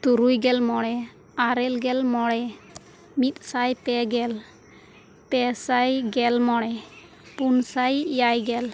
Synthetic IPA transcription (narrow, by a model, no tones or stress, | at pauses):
t̪uɾujɡɛlmɔɽɛ | aɾɛlɡɛlmɔɽɛ | mit̪̚sajpɛɡɛl | pɛsajɡɛlmɔɽɛ | punsajjajɡɛl